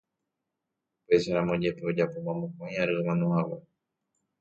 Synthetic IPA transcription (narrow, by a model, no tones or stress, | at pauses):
upe̞ʃaɾãmõd͡ʒe̞peod͡ʒapomãmõkõj̃aɾɨɨmãnõhawa